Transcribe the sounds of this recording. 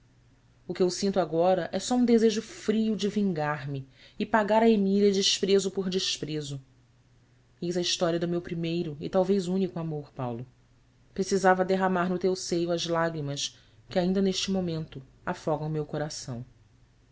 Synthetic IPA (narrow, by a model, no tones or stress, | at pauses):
ʊkɪewsĩnt̪aɡɔɾɐʔɛsɔũd̪ezeʒʊfɾiʊd͡ʒɪvĩŋɡaɾmɪ | ɪpaɡaɾɐemiliɐd͡ʒɪʃpɾezʊpoɾd͡ʒɪʃpɾezʊ | ijzɐiʃt̪ɔɾiɐd̪ʊmewpɾimejɾʊɪ̰t̪awvejzũnikʊamoɾpawlʊ | pɾesizavɐd̪eɦamaɾnʊt̪ewsejʊɐzlaɡɾimɐs | kɪaĩnd̪ɐneʃt͡ʃɪmomẽnt̪ʊ | afɔɡɐ̃w̃mewkoɾasɐ̃w̃